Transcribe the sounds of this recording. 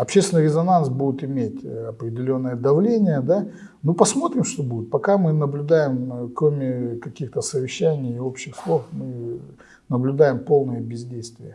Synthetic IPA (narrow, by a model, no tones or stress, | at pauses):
ɐpɕʲːest̪vʲɪnɨɪɾʲɪzɐnansbudʲɪt̪ɪmʲetʲɐpɾʲɪdʲɪlʲo̞nːɨjəd̪ɐvlʲenʲɪjəd̪a | nupɐsmo̞t̪ɾʲɪmʂt̪obudʲɪt̪̚pɐkamɨnəblʲʊd̪ajɪmkɾo̞mʲɪkɐkʲixt̪əsəvʲɪɕːænʲɪjɪo̞pɕːɪxslˠo̞fmɨ | nəblʲʉd̪ajɪmpo̞lˠnɨjəbʲɪzʲdʲejst̪vʲɪjə